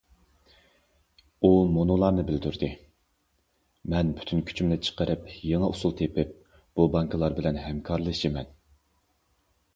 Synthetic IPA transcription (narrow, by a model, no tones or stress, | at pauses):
umonulˠɑːnɨbɪld̪yɾd̪ɨ | mɛnbʰy̥t̪ʰynkʲʰy̥t͡ʃʰymnɪt͡ʃʰə̥qəɾʔɨpjeŋəʔusulˠt̪ʰepɪp̚ | b̥ubɑŋkʰɨlˠɑɾbɪlɛnhɛmkʰɑɾlˠɨʃimɛn